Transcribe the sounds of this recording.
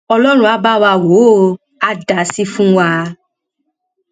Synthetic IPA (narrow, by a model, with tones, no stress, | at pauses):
ɔ˧lɔ˦ɾ̃ũ˦a˧ba˦wa˧wo˨˦ | a˧da˨si˧fũ˦wa˧